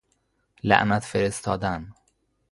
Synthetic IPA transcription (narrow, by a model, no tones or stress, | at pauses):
læ̰ʔnæt̪feɾest̪ʰɒːd̪æn